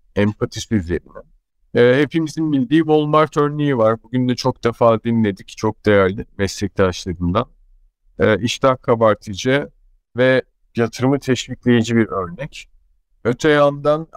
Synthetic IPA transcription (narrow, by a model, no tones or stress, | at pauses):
ɛmpʰat̪ʰisizʲḛɾimɛ | he̞pʰimizinbilʲd̪iːbo̞lˠmaɾt̪ʰø̞ɾnejivaɾbuɟynd̪ɛt͡ʃʰo̞k̚d̪̥efaːd̪inlʲe̞d̪ict͡ʃʰo̞k̚d̪̥e̞jæɾlʲimɛslʲɛclʲiaʃlˠad̪ɯmd̪anː | ʔiʃt̪akʰabaɾt̪ʰid͡ʒɛ | vɛ | jat̪ʰɯɾɯmɯt̪ʰɛʃviclʲejed͡ʒibiɾø̞ɾnɛc | øt̪ʰɛjand̪an